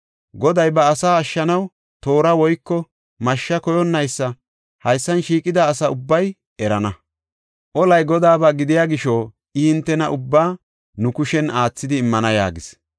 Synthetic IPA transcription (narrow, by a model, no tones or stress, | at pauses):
ɡɔd̪ɐjbɐːsaːɐʃːɐnɐw | t̪o̞ːɾɐwɔjkːɔ | mɐʃːɐkɔjɔnːɐjsːɐ | hɐjsːɐnʃiːkʼɪd̪aːsɐʊbːɐj | ɛɾɐnɐ | ʔɔlɐjɡɔd̪aːbɐɡɪd̪ɪjaːɡɪʃoː | ɪhɪnt̪ːɛnɐʔʊbːaː | nʊkʊʃɛnaːt͡sːɪd̪ɪːmːɐnɐja̰ːɡɪs